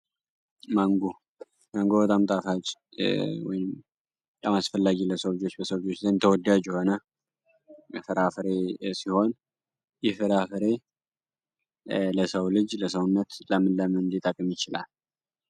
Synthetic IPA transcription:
maŋɡo | maŋɡobət̪ʼamt̪ʼafat͡ʃʼwɔ̰jɪm | t̪ʼamasfəlːaɡiləsəwlɨd͡ʒo̞t͡ʃːbəsəwd͡ʒo̞t͡ʃːzənnt̪ʰəwɔd̪ad͡ʒjɛho̞nə | jɛfɨɾafɨɾesiho̞n | jɛfɨɾafɨɾe̞ | ləsəwlɨd͡ʒləsəwnːət̪ləmɨnləmɨnd̪it̪ʼəkʼmjɪt͡ʃɪla̰l

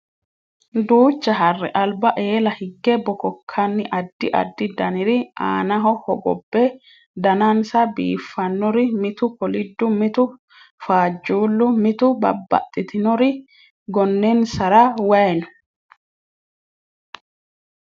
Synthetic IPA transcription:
d̪uːt͡ʃːɐɦɐrːɛ̰ʔɐlbɐʔe̞ːlɐhɪɡːɛbɔkɔkʰːɐnːɪʔɐd̪ːɪʔɐ̰d̪ːɪd̪ɐnɪɾɪa̰ːnɐɦɔhɔɡɔ̰bːɛ | d̪ɐnɐnsɐbḭːfːɐnːɔɾɪmɪt̪ʊkɔlɪd̪ːʊmɪt̪ʊ | faːd͡ʒːuːlːʊmɪt̪ʊbɐ̰bːɐ̰t̪ʼːɪt̪ɪnɔɾɪ | ɡɔnːɛnsɐɾɐwɐjnɔ̥

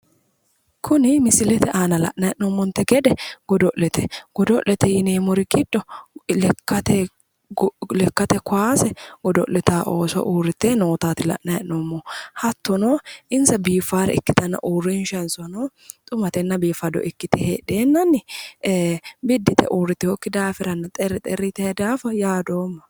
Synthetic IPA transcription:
kʰʊnɪmɪsɪlɛt̪ɛʔaːnɐlɐ̰ʔnɐjɛʔnomːɔnt̪ɛɡɛd̪ɛɡ̥ɔd̪ɔʔlɛt̪ɛɡ̥ɔd̪ɔʔlɛt̪ɛjɪneːmɔɾɪkɪᶑːɔlkːɐt̪ɛ | lɛkːɐt̪ɛkʊaːsɛɡ̥ɔd̪ɔ̰ʔlɛt̪aːʔoːsɔ̰ʔuːrːɪt̪ːeːnoːt̪aːt̪ɪlɐ̰ʔnɐjɛ̰ʔnomːɔhɐt̪ːɔnoːʔɪnsɐbiːfːaːɾɛ̰ɪkːɪt̪ɐnːɐ̰ʔuːrːiːnʃɛnsɔnoː | t̪ʼʊmɐt̪ɛnːɐbiːfːɐd̪ɔ̰ʔɪkːɪt̪ɛhḛːᶑeːnːɐnɪ | bɪd̪ːɪt̪ɛ̰ʔuːɾːɪt̪ːɪhɔkːɪd̪aːfɪɾɐnːɐt̪ʼɛɾːɪt̪ʼɛɾːɪt̪ɛɛd̪aːfɐjaːd̪o̞ːmːɐ

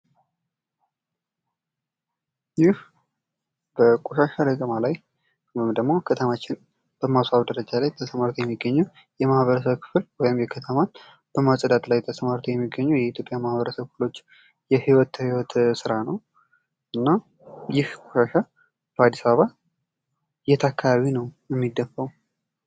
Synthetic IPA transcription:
jɪh | b̥əkʼoʃaʃaləkʼəmalaj | md̪əɡmo̞kʰət̪ʰəmat͡ʃːɪn | b̥əmasaβd̪əɾəd͡ʒalajt̪ʰəsəmaɾt̪ʰojɛmːiɡːəɲːu | jɛmahβəɾəs̬əβkʰɨ̥flwɔjɪmjɛkʰət̪ʰəman | b̥əmasʼəd̪at̪lajt̪ʰəsəmaɾt̪ʰojɛmːiɡːəɲːujɛit̪jo̞pʼjamahβəɾəsəβkɨflo̞t͡ʃː | jɛhiwɔt̪hiwɔt̪sɨɾanəw | ʔɨnːa | jɪhkʼoʃaʃa | b̥əad̪isaβəβa | jɛt̪ʰakʰːaβaβinəwjɛmːid̪ːəfːəw

